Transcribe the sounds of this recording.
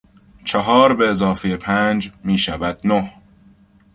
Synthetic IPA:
t͡ʃʰeɦɒːɾbe̞ːzɒːfejepʰæːnd͡ʒmiːʃævæd̪̥̚noh

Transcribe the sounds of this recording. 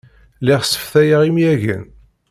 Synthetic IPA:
lɪʁsə̥fθæjəʁimjæʝə̰n

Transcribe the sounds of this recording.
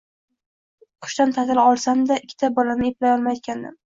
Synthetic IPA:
qʰʊ̥ʃt̪ant̪ʰazɪlɒlˠsamd̪aɪkʲʰːɪ̥t̪ʰabɒlanɪeplajɒlˠmajt̪̚kʲʰand̪ɪ̰m

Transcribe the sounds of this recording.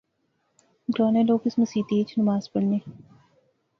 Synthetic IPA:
ɡɾɔːnẽloːkɪsmɐsiːt̪eːt͡ʃnɐmaːzpɐɽneː

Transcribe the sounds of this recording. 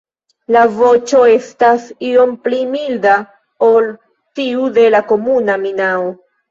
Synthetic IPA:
lavo̞t͡ʃo̞e̞stasio̞mplimilda | ol | tiude̞lako̞munaminao

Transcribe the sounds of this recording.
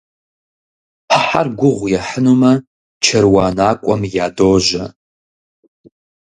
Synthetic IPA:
pʰaħarɡʷʊʁʷjaħənuma | t͡ʃʰɐrwaːnakʷʼamjaːdoːʒʷa

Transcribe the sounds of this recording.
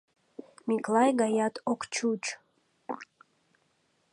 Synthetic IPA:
mʲiklɑjɡɑjɑt̪okt͡ʃut͡ʃ

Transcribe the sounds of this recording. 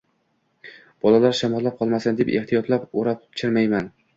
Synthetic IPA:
b̥ɒlalaɾʃamɒlːap̚qʰɒlˠmasand̪epeht̪ʰijɒt̪lapoɾap̚t͡ʃʰɪɾmajman

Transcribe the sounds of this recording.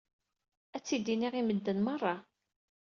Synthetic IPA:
æt͡sːid̪iniʁiməd̪ːənmərˤːɑ

